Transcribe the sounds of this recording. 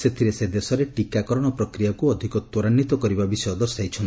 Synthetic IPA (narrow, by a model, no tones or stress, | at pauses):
set̪ʰiɾesed̪esɔɾeʈikakɔɾɔɽ̃ɔpɾɔkɾijakuɔd̪ʱikɔt̪ːɔɾanːit̪ɔkɔɾibabisɔjɔd̪ɔɾsajt͡ʃʰɔnt̪